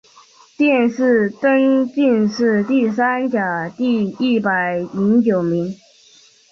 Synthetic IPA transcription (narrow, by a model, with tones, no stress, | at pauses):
t̪jɛ˥˧nʂɻ̩˥˩t̪ə˥nt͡ɕi˥˧nʂɻ̩˥˧t̪i˥˩s̬a˥nt͡ɕja˨˩t̪i˥˧i˥˩pa˨˩ɪi˧˥ŋt͡ɕjo˨˩ʊmi˧˥ŋ